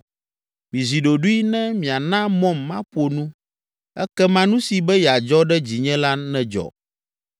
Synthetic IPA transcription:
mĩ˨zi˨ɖo˨ɖu˦i˦nɛ̃˦mĩ˨a˨nã˦mɔ̃˦mːã˦ɸo˨nũ˦ | ɛ˦kɛ˦mã˦nũ˦si˨bɛ˦jɛ˨a˨d͡ʒɔ˦ɖɛ˦d͡ʑi˨ɲɛ̃˦la˦nɛ̃˦d͡ʒɔ̰˨

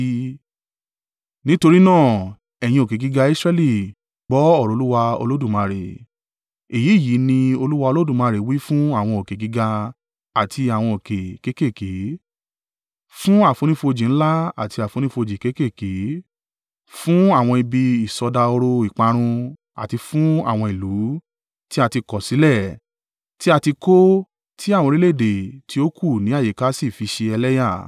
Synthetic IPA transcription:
nĩ˦to˧ɾi˦nãː˦˨ | ɛ˨j̃ĩ˧o˨ke˨ɡi˨˦ɡa˧i˦sɾɛ˦˧li˦˨ | ɡ͡bɔ˨˦ɔ˦˨ɾo˨˦u˦wa˧o̰˧lo˦du˦˨mã˧ɾe˨ | e˨ji˨˦˨ji˨˦nĩ˧o˧lu˦wa˧o˧lo˦du˦˨mã˧ɾe˨wi˦fũ˦a˦˨w̃ɔ̃˧o˨ke˨ɡi˨˦ɡa˧ | a˨tʰi˧a˨w̃ɔ̃˧o˨ke˨ke˦ke˦˨ke˨˦ | fũ˦a˦˨fo˨˧ñĩ˦fo˧d͡ʒĩ˨ñ̩˦la˦a̰˨ti˧a˨fo˨˧ñĩ˦fo˧d͡ʒi˨ke˦ke˦˨ke˨˦ | fũ˦a˦˨w̃ɔ̃˧i˧bi˧i˨sɔ˧da˧o˧ɾo˧i˨k͡pa˧ɾ̃ũ˧ | a̰˨ti˧fũ˦a̰˦˨w̃ɔ̃˧i˨lu˨˦ | ti˦a˧ti˧kɔ˨si˨˦lɛ˦˨ | ti˦a˧ti˧ko˦ | tʰi˦a˦˨wɔ̃˧ɾi˦le˦˨de˨tʰi˦o˦kʰu˦˨nĩ˨˦a˦˨je˨˦ka˦si˦˨fi˧ʃe˧ɛ˧lɛ˦ja˦˨

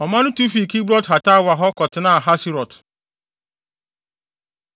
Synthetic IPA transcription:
ɔ˨mã˦nʊ̃˦tu˦fi˨ki˦bɾɔ˦tɦa˨ta˦˨wa˨ɦɔ˦kɔ˨tɪ˨na˦˨ɦa˦si˦ɾɔ˨t

